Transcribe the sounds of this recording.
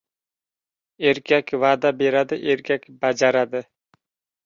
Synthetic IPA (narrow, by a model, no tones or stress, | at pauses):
eɾkʲʰakʲvaːd̪abe̞ɾad̪ɪʔeɾkʲakʲbad͡ʒaɾad̪ɪ